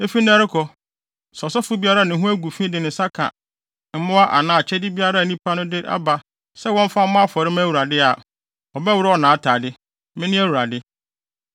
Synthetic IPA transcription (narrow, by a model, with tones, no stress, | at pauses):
e˦fi˦n˦ã˦ɾɪ˦kʰɔ˨ | sɔ˨sɔ˦fʊ˦bi˦a˦ɾa˦˨nɪ̃˨ɦũ˦æ˦ɡu˨fĩ˦dɪ˨nɪ̃˨˦sa˦kʰã̰˨ | m̩˦mʊ̃˦a˦ʔa̰˨nãː˨˦˨t͡ɕʰɛ˦dɪ˦bi˦a˦ɾa˦˨nĩ˦pʰa˦nʊ̃˦dɪ˦ɾʔa̰˦ba˨ | sɛ˦wɔ̃˦m˦fa˦mʊ̃˦a˦fɔ˨ɾɪ˦mã˦˨wu˨ɾa˨dɪ˦a˨ | ɔ˨bɛ˦wʊ˦ɾɪ˦ɔ˨nãː˨˦tʰaː˨dɪ˦ | mɪ̃˦nɪ̃˦æ˦wu˨ɾa˨dɪ˦